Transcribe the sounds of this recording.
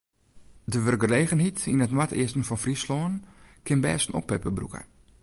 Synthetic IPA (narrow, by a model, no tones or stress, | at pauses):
dəʋərɡəleːɣənɦitinətnwatʰɪ̰əstn̩fɔnfrisloːənkʰɪnbɛːsn̩ɔ̰pːɛpəbrṵkə̰